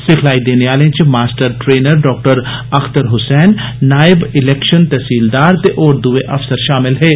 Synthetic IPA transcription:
sɪkʰlaːid̪eːneʋaːlẽt͡ʃemaːsʈəɾʈɾeːnəɾɖɔːk̚ʈəɾɐxt̪əɾɦʊsɛːnːaːɪbɪlɛːkʃənt̪ɛsiːld̪aːɾt̪eʔɔːɾd̪ueʔɐfsəɾʃaːmɪlɦɛː

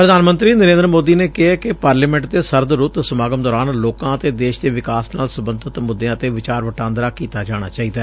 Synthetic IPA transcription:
pɾəd̪aːnmə̃nt̪ɾiːnəɾẽːnd̪ɾəmoːd̪iːneːkɪɦaːkɪpaːɾliːmɛ̃ːɳʈ̚d̪eːsəɾd̪ɾʊt̪səmaːɡəmd̪ɔːɾaːnloːkãːət̪eːd̪eːʃd̪eːʋɪkaːsna̰ːlsəbənd̪ʱət̪mʊd̪ːẽãːət̪eːʋɪt͡ʃaːɾʋəʈãːnd̪ɾaːkiːt̪aːd͡ʒaːɽ̃a̰ːt͡ʃaːiːd̪aː

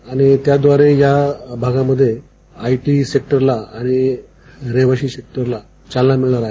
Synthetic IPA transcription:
aɽ̃it̪jad̪ʋaɾejabʱaɡaməd̪ʱːje | aiʈiːsek̚ʈəɾlaaɽ̃i | ɾeʋaɕiːsek̚ʈəɾla | t͡ɕalːamiɭɳaɾa

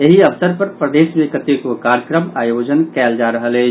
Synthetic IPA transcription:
eɦiəʋsəɾpəɾpɾəd̪esmẽkət̪ekokaɾjəkɾəmajod͡ʒənkɛld͡ʒaɾəɦələt͡ʃ

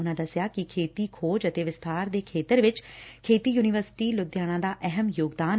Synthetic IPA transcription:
ʊnãːd̪əsɪjaːkɪkʰeːt̪iːkʰoːd͡ʒət̪eːʋɪst̪ʰaːɾd̪eːkʰeːt̪əɾʋɪt͡ʃkʰeːt̪iːjuːnɪʋəɾsɪ̥ʈiːlʊd̪ɪjaːñãːd̪aːʔɛɦəmjoːɡd̪aːn

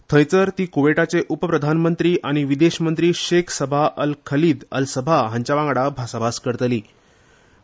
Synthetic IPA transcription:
t̪ʰə̃jt͡səɾt̪iːkoʋeʈat͡seʔupəpɾəd̪ʱanmənt̪ɾiːʔaɽ̃iʋid̪eɕmənt̪ɾiːɕekʰsəbʱaʔəlkʰəliːd̪ə̰lsəbʱaɦəɲt͡ɕaʋãŋɡɽabʱasabʱaskəɾt̪liː

